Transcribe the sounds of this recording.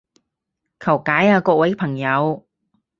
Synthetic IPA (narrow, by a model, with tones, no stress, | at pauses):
kʰɐ˨˩wkaː˨˥jaː˧kɔː˧k̚wɐ˨˥pʰɐ˨˩ŋjɐ˨˧w